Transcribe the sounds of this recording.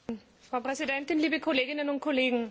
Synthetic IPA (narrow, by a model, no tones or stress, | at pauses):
n | fʁ̥aʊpʁ̥ɛzidɛntɪnliːbəkʰoleːɡɪnənʊnt̚kʰoleːɡŋ̩